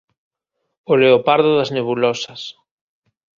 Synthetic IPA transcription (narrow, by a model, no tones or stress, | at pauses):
oleopaɾðʊðɐzneβulɔsɐs